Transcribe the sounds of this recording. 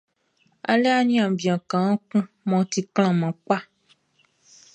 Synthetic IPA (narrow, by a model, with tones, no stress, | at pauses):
a̰˨le˦a˦ɲĩ˦ã˨bĩ˨ã˨kã˨ã˦kũ˦ | mɔ̃˨t̪i˨kl̃ã˨mã˨k͡pa˦